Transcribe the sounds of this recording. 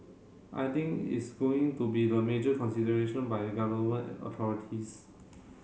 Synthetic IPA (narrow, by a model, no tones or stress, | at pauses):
ʔa̰jt̪ĩŋkḭtsɡoɪ̃ŋtubidəmed͡ʒəkʰɔ̃nsidəɹeʃə̃nbajəɡavəmə̃nə̰t̪ʰɔɹitʰis